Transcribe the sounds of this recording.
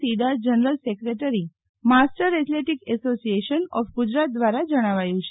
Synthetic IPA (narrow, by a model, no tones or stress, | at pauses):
iɖad͡ʒənəɾəlsekɾeʈəɾi | masʈəɾet̪leʈikɛsosieʃənɔfɡud͡ʒɾat̪̚d̪ʋaɾad͡ʒəɽ̃aʋajũt͡ʃʰe